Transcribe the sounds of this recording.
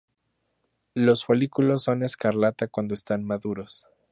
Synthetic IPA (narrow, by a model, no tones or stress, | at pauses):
lo̞sfolikulo̞sːo̞ne̞skaɾlat̪akwand̪oest̪anmaðuɾo̞s